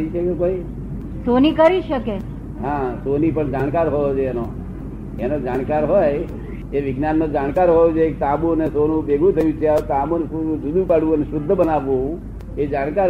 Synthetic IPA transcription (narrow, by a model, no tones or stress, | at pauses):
iʃəkekoi | sonikəɾiʃəke | ɦãsonipəɳd͡ʒaɳ̃kaɾɦojod͡ʒɛno | enod͡ʒaɽ̃kaɾɦoj | eʋɪɡnanːod͡ʒaɳkaɾɦojod͡ʒekt̪abunesonũbeɡʱũt̪ʰəjũt͡ʃʰeat̪amonsud͡ʒud̪ʱũpaɽʋũəneʃʊd̪ʱːəbənaʋũũ | ed͡ʒaɽ̃kaɾ